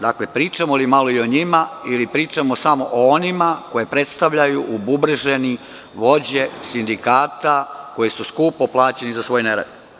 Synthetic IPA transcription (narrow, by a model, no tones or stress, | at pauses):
d̪aklepɾiːt͡ʃamolimalo̞io̞ɲimailipɾiːt͡ʃamosamo̞ʔoonimako̞je̞pɾe̞t̪st̪aʋʎajuʔububr̩ʒeni | ʋo̞d͡ʑe̞sind̪ikaːt̪ako̞jesuskuːpoplˠaːt͡ɕe̞nizasʋo̞ːjneɾḛd̪